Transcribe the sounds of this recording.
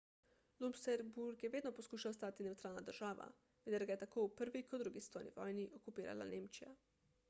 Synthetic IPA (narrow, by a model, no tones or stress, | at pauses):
lumpsɛɾbuɾkjɛʋeːd̪nɔpɔskuːʃawɔst̪aːt̪inɛwt̪ɾaːlnad̪əɾʒaːʋa̰ | ʋeːd̪ɛɾɡajɛt̪akoːwpəɾʋikɔd̪d̪ːɾuːɡist̪ɔjnḭʋɔjniʔɔkupiːɾa̰la̰neːmt͡ʃija